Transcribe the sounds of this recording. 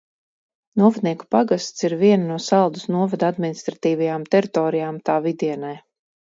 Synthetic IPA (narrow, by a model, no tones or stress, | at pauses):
nuɔvad̪̚niɛku̥paɡast̪siɾviɛnanuɔsalˠd̪usnuɔvad̪ad̪minist̪ɾat̪iːvajaːmt̪ɛɾit̪ɔːɾijaːmt̪aːvid̪iɛnaj